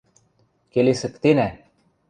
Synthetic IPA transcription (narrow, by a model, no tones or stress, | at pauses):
kelesə̆kt̪enæ